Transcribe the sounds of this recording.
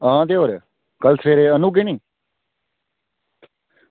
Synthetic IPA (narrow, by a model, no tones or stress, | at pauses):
ãːt̪eːɦoːɾeː | kəlsʰeːɾeːənuːɡenĩː